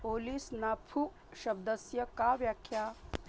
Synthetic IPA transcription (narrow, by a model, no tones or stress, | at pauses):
polisnapʰu | ʃɐb̚d̪əsjɐkaʋjakʰja